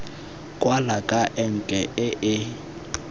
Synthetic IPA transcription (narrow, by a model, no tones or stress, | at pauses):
kʼwalakʼaʔɛŋ̩kʼɛʔɪʔɪ